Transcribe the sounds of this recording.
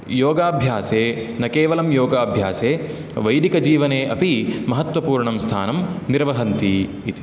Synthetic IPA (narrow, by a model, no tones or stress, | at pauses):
joːɡaːbʱjaːseːnɐkeːʋɐlɐmjoːɡaːbʱjaːseː | ʋɐjd̪ikɐd͡ʒiːʋɐneːʔɐpimɐɦɐt̪ʋɐpuːɾɳɐmst̪ʰa̰ːnɐmniɾʋɐɦɐnt̪iː | t̪i̥